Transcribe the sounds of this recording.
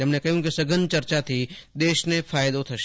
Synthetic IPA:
ɐmnekɐɦjũkisɐɡənt͡ʃɐɾt͡ʃat̪ʰid̪eːʃnefʰaːjd̪ot̪ʰɐʃ

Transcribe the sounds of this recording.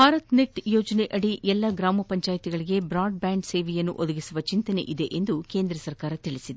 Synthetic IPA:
bʱaːɾɐt̪nek̚ʈjoːd͡ʒɐneʔɐɽiʔɛlːɐɡɾaːmɐpɐɲt͡ʃaːjt̪iɡɐɭiɡe̞bɾaːɖ̚baːɳɖse̞ːʋejɐnːṵʔod̪ɐɡisuʋɐt͡ʃint̪ɐne̞̰ʔid̪e̞ʔend̪ukeːnd̪ɾɐsɐɾkaːɾɐt̪iɭisid̪e

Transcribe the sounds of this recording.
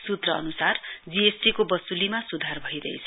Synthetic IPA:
sut̪rʌʌnusard͡ziesʈikobʌsulimasud̪ʱarbʱʌid̪ʌ̰jt͡sʰʌ

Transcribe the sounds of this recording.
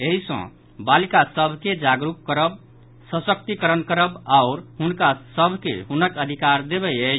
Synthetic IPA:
eɦisə̰̃ | balikasəbʱked͡ʒaɡɾup̚kːəɾəb̚ | sə̃sək̚t̪ikəɾənkəɾəbaʊɾɦunkasəbʱkḛɦunəkəd̪ʱikaɾd̪ebɛjə

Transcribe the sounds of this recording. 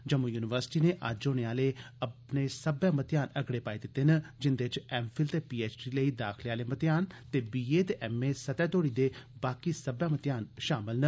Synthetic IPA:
d͡ʒəmũːjuːnɪʋəɾsɪ̥ʈiːneːʔə̰d͡ʒoːneaːleːəpneːsəbɛ̃ːmət̪ɪjaːnəɡɽeːpaːed̪ɪt̪ːeːnəd͡ʒɪnd̪eːɪt͡ʃɛːmpʰɪlt̪eːpiːeːt͡ʃɖiːləiːd̪aːkʰleaːleːmət̪ɪjaːnt̪eːbiːeːt̪eːʔɛːmeːsət̪ɛːt̪oːɽiːd̪eːbaːkisəbjãːmət̪jaːnʃaːmɪlnə

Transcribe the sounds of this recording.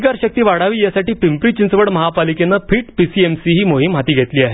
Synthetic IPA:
ɡaɾɕək̚t̪iːʋaɽaʋiːjasaʈiːpimpɾiːt͡ɕint͡sʋəɽməɦapalikenːapiːʈpisiemsiɦiːmoɦimɦat̪iːɡʱet̪liːaɦe

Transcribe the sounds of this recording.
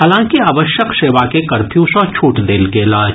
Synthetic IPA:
ɦaːlãːkiaːʋəʃjəkseːʋakekɐɾpʰjũsɔ̃t͡ʃʰuːʈd̪eːlkeɪlaːd͡ʒ

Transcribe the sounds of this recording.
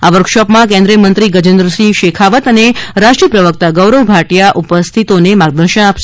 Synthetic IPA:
aʋəɾkʃɔpmãkẽnd̪ɾijəmənt̪ɾiɡəd͡ʒənd̪ɾəʃiʃekʰaʋət̪əneɾaʃʈɾiəpɾəʋək̚t̪aɡəwɾəwbʱaʈjaʔupəst̪ʰit̪onemaɡ̚d̪əɾʃəñapʃe

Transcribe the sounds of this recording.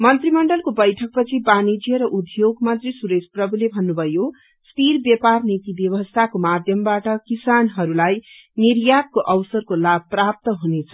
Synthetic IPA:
mʌnt̪rimʌɳɖʌlkobʌjʈʰʌk̚pʌt͡sʰibanid͡zijʌɾʌʔud̪joɡmʌnt̪risuɾesprʌbʱulebʱʌnːubʱʌjo | spiɾbjʌparnit̪ibjʌβʌst̪ʰakomad̪ʱjʌmbaʈʌkisanɦʌɾulaj | niɾjat̪̚koʔʌwsʌrkolab̚ʱprap̚t̪ʌɦunet͡sʰʌ̥

